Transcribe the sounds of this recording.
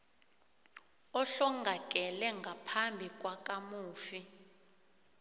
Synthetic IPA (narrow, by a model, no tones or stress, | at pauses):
ɔɬɔŋɡʱakʼɛlɛŋɡʱapʰambʱik̬ʼwakʼamuːfi